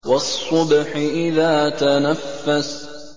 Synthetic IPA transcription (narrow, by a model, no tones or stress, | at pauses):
wɑsˤːʊbħɪʔɪðaːt̪anafːas